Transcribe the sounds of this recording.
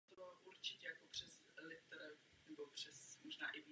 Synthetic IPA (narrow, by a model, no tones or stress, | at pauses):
t̪ovalʔuɾt͡ʃɪcɛjakopr̝̥ɛs | lɪt̪ɾ | nɛbopr̝̥ɛsmoʒnaːʔɪvi